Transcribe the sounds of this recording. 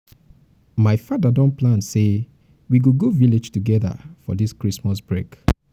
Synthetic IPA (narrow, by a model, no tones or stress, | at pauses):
maɪfadadɔ̃nplãnse | wiɡuɡoviled͡ʒtuɡɛðə̰fɔ̰diskɹismasbɹek